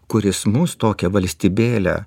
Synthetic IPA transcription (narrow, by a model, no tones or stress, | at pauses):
kʊɾʲɪsmʊst̪oːkʲɛʋɐlʲsʲt̪ʲiːbʲeːlʲɛ̰